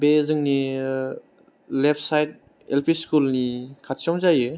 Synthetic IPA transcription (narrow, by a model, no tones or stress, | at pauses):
bezɯŋni | lepʰsajt̚ | elpʰiskulnikʰatsɔmzajɯ